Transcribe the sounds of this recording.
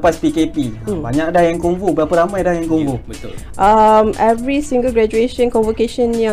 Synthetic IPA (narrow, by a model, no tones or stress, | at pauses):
paspikepibaɲãk̚dahjaŋkuŋvubəɾapaɾamãjdahjaŋkumvubət̪ | ʔamɛvɾisĩŋɡəlɡɾad͡ʒueʃə̃nkɔ̃nvəkeʃə̃njã